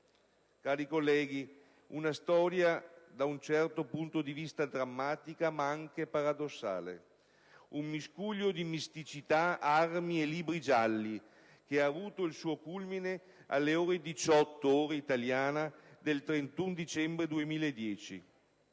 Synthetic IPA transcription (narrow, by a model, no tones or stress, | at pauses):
kaːɾikolːɛːɡi | unast̪ɔːɾjad̪aunt͡ʃɛrt̪opunt̪od̪ivist̪ad̪ɾamːaːt̪ikamaaŋkepaɾad̪osːa̰ːlḛ | umːiskuʎːod̪imist̪it͡ʃit̪aarmieliːbɾid͡ʒalːi | keaːvuːt̪oilsuːokulmine | a̰lːeoːɾed̪it͡ʃɔt̪ːooːɾeit̪aljaːnad̪elt̪ɾent̪und̪it͡ʃɛmbɾed̪uemiːlaed̪ːjɛːt͡ʃḭ